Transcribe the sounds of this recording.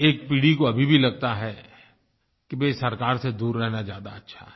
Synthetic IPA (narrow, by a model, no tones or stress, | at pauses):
eːk̚piːɽikoɐbʱibʱilɐɡ̚t̪aɦɛ | kibesɐɾkaːɾsed̪uːɾːɛɦnazjaːd̪a̰ɐtːʃʰa̰ɦɛ